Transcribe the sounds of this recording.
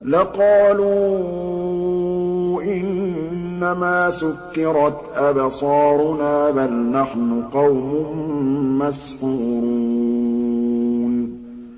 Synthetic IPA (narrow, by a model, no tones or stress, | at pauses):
laqɑːluː | ʔɪnnːamaːsʊkːɪɾˤɑt̪ʔabsˤɑːɾʊnaːbalnaħnʊqɑwmʊhʊmmasħuːɾu | n